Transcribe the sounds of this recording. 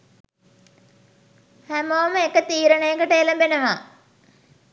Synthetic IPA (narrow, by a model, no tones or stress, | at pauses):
hæmoːməekːət̪iːɾəɳɐjɐŋɡəʈeːlɐmbenɐʋa